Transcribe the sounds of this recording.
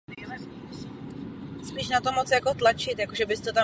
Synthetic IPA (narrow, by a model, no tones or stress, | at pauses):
spiːʃnat̪omot͡sjakot̪lat͡ʃɪt̪jakoʒɛbɪst̪ot̪a